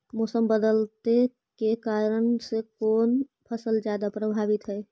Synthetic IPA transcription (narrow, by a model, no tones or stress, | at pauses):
mɔːsəmbəd̪əlt̪e | kekaːɾəɳsekɔːnpʰəsəld͡ʒjaːd̪apɾəbʱaːʋɪt̪ɦɛː